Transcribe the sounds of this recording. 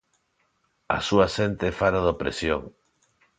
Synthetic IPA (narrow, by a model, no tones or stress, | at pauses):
a̰suasent̪efaɾaðopɾḛsjo̰ŋ